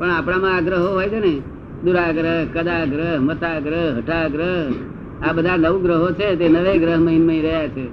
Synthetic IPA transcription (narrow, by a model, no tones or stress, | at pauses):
pəɳapɽ̃ãmãːɡɾəɦoɦojd͡ʒene | d̪uɾaɡɾəɦkəd̪aɡɾəɦmət̪aɡɾəɦɦəʈʰaɡɾəɦ | abəd̪ʱaləʋɡɾəɦot͡ʃʰet̪̬enəʋeɡɾəɦməɦinmə̃iɾəɦjat͡ʃʰe